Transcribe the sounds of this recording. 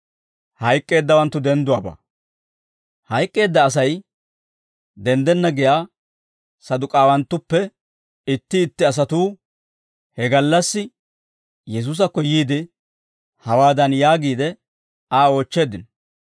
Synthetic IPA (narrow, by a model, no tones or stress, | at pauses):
hɐjkʼːe̞ːd̪ːɐwɐnt̪ːʊd̪ɛnd̪ʊwaːba̰ː | hɐjkʼːe̞ːd̪ːɐːs̬ɐj | d̪ɛnd̪ɛnːɐɡɪjaː | sɐd̪ʊkʼaːwɐnt̪ːʊpːɛ | ɪt̪ːɪːt̪ːɪɐs̬ɐt̪uː | hɛɡɐlːɐsːɪ | jɛs̬uːs̬ɐkːɔjiːd̪ɪ | hɐwaːd̪ɐnjaːɡiːd̪ɛ | aːo̞ːt͡ʃːe̞ːd̪ɪnɔ